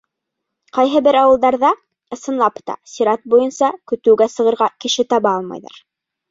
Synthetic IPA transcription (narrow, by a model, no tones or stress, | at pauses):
qɑjɦɤbɘɾɑwɤlˠd̪ɑɾðɑ | ɤ̆sɤ̆nlˠɑpt̪ɑ̰sʲiɾɑt̪̚bujɤnsɑkɵ̆t̪ɘ̆wɡæsɤ̆ʁɤ̆ɾʁɑkɘ̆ʃɘt̪ɑβɑɑlˠmɑ̰jðɑ̰ɾ